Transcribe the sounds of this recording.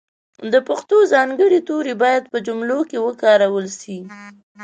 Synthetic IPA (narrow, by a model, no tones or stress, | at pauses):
d̪əpaxt̪ozɑŋɡəɽit̪oɾebɑjad̪̚pəd͡ʒʊmlokewəkɑɾawəlʃi